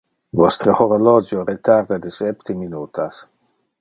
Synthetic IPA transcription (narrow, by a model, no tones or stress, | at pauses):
vɔst̪ɾəhoɾolɔd͡ʒjoɾet̪aɾd̪ad̪əsɛpt̪eminuːt̪ʰas